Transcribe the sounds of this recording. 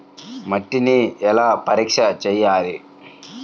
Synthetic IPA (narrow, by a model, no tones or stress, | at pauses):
mɐʈːiniɛlaːpɐɾiːkʂɐt͡ʃɛjːaːli